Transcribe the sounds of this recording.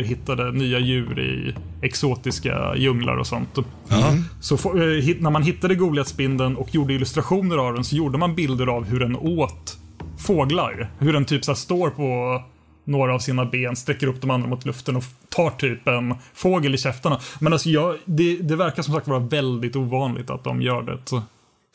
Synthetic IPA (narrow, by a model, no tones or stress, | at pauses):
ɾɦɪt̪ːad̪ənyːajʉ̟ːɾɪ̰ɛksoːt̪ɪska̰jɵŋla̰ɾɔ̰sɔnt̪ | sɔfɦɪnæɾmanɦɪt̪ːad̪əɡuːɡleːt̪sbɪnd̪ənɔkʰːjuːɖəɪlɵst̪ɾaɧuːnəɾavd̪ɛnsɔjuːɖəmanbɪld̪əɾavɦɵɖɛnoːt̪ | foːɡla̰ɾhɵɖɛnt̪ʰyːpsæːʂt̪oːɾpʰɔ | noːɾaːvsiːnabeːnst̪ɾɛkːəɾɵpːd̪ɔmand̪ɾamʊt̪ʰlɵft̪ənɔt̪ʰɑːʈʰyːpɛnfoːɡəlɪɕɛft̪aɳamɛnalsɔjɑːd̪ɛd̪ɛvæɾkaɾsɔmsakt̪vɑːɾavɛld̪ɪɡt̪uːvɑːnlʔɪ̰ɡ̚t̪a̰t̪̚d̪ɔ̰mjœːɖɛ̰t̪